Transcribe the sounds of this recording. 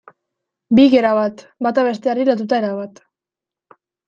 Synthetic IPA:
biɣe̞ɾaβat̪ | bat̪aβe̞st̪eariɾat̪ut̪ae̞ɾaβat̪

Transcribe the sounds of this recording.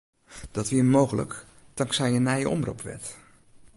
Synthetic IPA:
d̥ɑtʋiːmowɣələ̰k | tɑŋsɛjənaɛjə̰ʔɔ̰mrṵpʋɛ̰ɹt

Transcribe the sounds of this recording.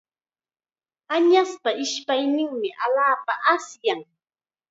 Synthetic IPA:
aɲaspaʔɪʃpajnɪŋmɪʔaʎaːpaʔasjaŋ

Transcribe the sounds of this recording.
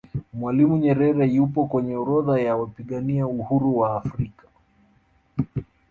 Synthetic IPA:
mwalimuɲɛɾɛɾɛjupɔkwɛɲɛɔɾɔðajawapiɠaniauhuɾuwaːfɾikḁ

